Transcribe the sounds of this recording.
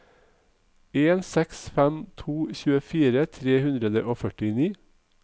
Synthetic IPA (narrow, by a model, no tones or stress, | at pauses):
eːnsɛksfæmt̪ʰuːçʉːəfiːɾət̪ʰɾeːhʉnd̪ɾəd̪əʔoːfœʈɪniː